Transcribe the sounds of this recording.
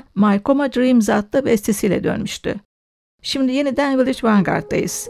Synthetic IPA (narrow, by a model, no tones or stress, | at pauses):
majko̞mad̪ɾimzat̪lˠɯbɛst̪ʰesijlʲɛ̰d̪ø̰nmyʃt̪y̰ | ʃimd̪ije̞nid̪ænvilʲˠit͡ʃvaŋɡa̰ɾt̪̚ːa̰jɯ̰z̥